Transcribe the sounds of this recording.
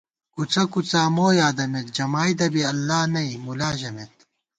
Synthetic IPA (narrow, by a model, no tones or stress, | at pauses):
kut͡sɐkut͡saːmoːjaːd̪ɐmet̪̚d͡ʑɐmaːjd̪ɐbiɐlːaːnɐimulaːʑɐmet̪